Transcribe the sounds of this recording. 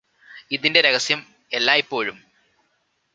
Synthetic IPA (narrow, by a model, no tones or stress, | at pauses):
iðinde̞ɾeɣɐsjɐm | e̞lːaːipːo̞ːɻum